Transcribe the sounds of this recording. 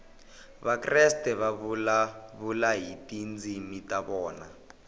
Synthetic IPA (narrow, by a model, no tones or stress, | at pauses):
βakrɛstɛβaβulaβulaɦitind͡zimitaβɔːna